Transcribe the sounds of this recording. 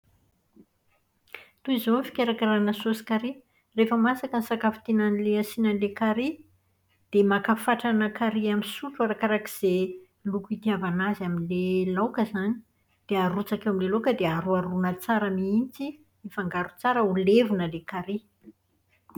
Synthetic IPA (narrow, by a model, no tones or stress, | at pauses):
t̪uizonfi̥kʲeɾakiɾanəsosi̥kaɾi | refəmasakənisakafi̥t̪inanileasinanlekaɾi | d̪̥emakafaʈ͡ʂanakaɾiamisuʈ͡ʂuaɾakaɾaki̥z̥e | lukuit̪iavanazaminlelawkəzani̥ | d̪̥eaɾut͡sakewamilelokəd̪eaɾuaɾunət͡saɾamiint͡si | ifaŋɡaɾut͡saɾəulevunəlekaɾi